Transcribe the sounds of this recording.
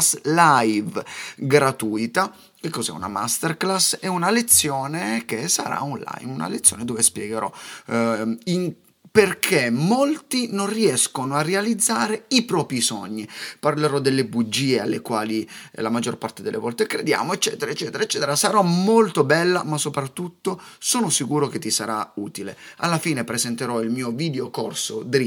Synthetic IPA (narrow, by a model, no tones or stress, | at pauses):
slajvɡɾat̪uːt̪a | kekːozɛ̰ṵna̰ma̰st̪erklasɛunalet̪sːjoːnekesa̰ɾa̰unla̰jmuna̰let̪sːjoːned̪ovespjɛɡeɾɔ̰ | iŋ | perkʰemolt̪inonriɛskonoarːealid̪zːaːɾeipɾɔːpɾisɔɲːiparleɾɔd̪elːebud͡ʒːiːea̰lːekwaːlilamad͡ʒːorpart̪ed̪elːḛvɔlt̪ekɾed̪ja̰ːmoet͡ʃːɛ̰ːt̪eɾaet͡ʃːɛːt̪eɾaet͡ʃːɛːt̪eɾasaɾɔmolt̪obɛlːamasopɾat̪ːut̪ːosoːnosikuːɾok̟et̪ːisaɾauːt̪ilea̰lːafiːnepɾezɛnt̪eɾɔilmiːoviːd̪eokorsod̪ɾ